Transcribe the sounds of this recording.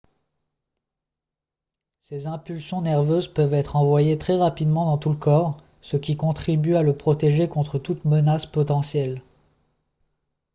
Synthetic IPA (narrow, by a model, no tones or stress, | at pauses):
sezɛ̃pylsjɔ̃nɛʁvøzpœvɛt̪χɑ̃vwajet̪χɛʁapid̪mɑ̃d̪ɑ̃t̪uləkɔʁ | səkʲikɔ̃t̪χibyaləpχɔt̪eʒekɔ̃t̪χət̪ut̪mənaspɔt̪ɑ̃sjɛl